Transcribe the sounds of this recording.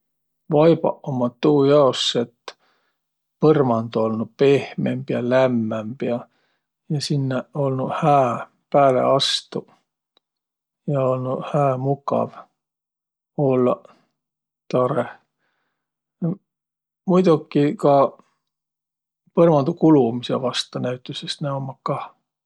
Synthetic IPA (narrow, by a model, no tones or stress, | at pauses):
vɑjbɑ̰ʔomɑt̪uːjɑosːet̪ː | pɤrmɑnd̪uo̞lnupe̞hmḛmbjɑlæmːæmb̥jɑ | jɑsinːeo̞lnuhæː | pæːlḛɑst̪u | jɑo̞lnuhæːmukɑ̰v | o̞lːɑ̰ | t̪ɑɾeh | mujd̪̥ukːˑikɑ | pɤrmɑnd̪̥ukulumisḛvɑst̪ɑnæɥt̪ːˑusest̪næomːɑkːɑ